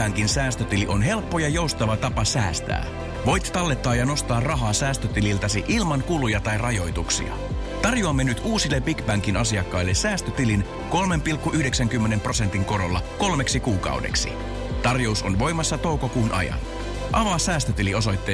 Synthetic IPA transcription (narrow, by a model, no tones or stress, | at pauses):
æŋkinsæːst̪øt̪iliʔo̞nɦe̞lpːo̞jɑjo̞ust̪ɑʋɑt̪ɑpɑsæːst̪æ̰ː | ʋo̞jt̪t̪ɑlːe̞t̪ːɑːjɑno̞st̪ɑːrrɑɦɑːsæːst̪øt̪ililt̪ɑsiʔilmɑŋkulujɑt̪ɑjrɑjo̞jt̪uksḭɑ̰ | t̪ɑrjuɑmːenyt̪uːsilːebbikbæŋkinɑsiɑkːɑjlːe̞sæːst̪øt̪ilin | ko̞lme̞mpilkːuʔyhdeksæŋk̟ymːe̞ne̞mprose̞nt̪iŋko̞ɾo̞lːɑko̞lme̞ksikuːkɑ̰wdḛksḭ | t̪ɑrjo̞uso̞nʋo̞jmɑsːɑt̪o̞wko̞kuːnʔɑ̰jɑ̰n | ʔɑʋɑsæːst̪øt̪ilio̞s̬o̞jt̪ːeː